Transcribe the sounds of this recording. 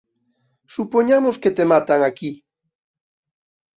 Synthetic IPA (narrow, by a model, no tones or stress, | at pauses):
supoɲamosket̪emat̪aŋaki